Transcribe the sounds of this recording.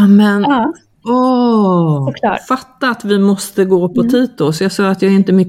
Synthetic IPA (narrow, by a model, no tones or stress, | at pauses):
mɛn | ɔ | fat̪ːaːt̪vɪmɔst̪əɡoːpʰɔt̪ʰiːt̪ʊsɔjɑɡsɑːɾat̪jaːɛɾɪnt̪əmʏ